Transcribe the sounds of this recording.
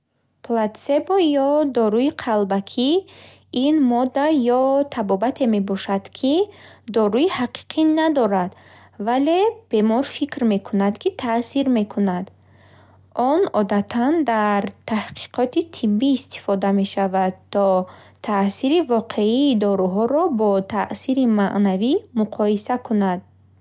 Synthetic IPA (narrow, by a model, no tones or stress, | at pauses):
plat̪sebɔjɔd̪ɔɾuiqʰalbakʰi | inmɔd̪ːajɔt̪ʰabɔbat̪ʰe̞me̞bɔʃad̪̥kʰid̪ɔɾuihaqʰi̥qʰinad̪ɔɾad̪̥ | vale̞b̥e̞mɔɾfikɾme̞kʰunad̪kʰit̪ʰasiɾme̞kʰunad̪ | ʔɔnɔd̪at̪ʰand̪aɾt̪ʰahqʰi̥qʰɔt̪it̪ʰibːiːst̪i̥fɔd̪ame̞ʃavad̪t̪ʰːɔ | t̪ʰasiɾivɔqʰe̞iːd̪ɔɾuɦɔɾɔbɔt̪ʰaʔsiɾimaʔnavimuqʰɔisakunad̪̚